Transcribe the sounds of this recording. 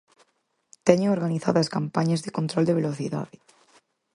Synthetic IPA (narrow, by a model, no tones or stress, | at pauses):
t̪eɲooɾɣaniθa̰ðaskampaɲazðekõnt̪ɾold̪eβ̞eloθiða̰ðe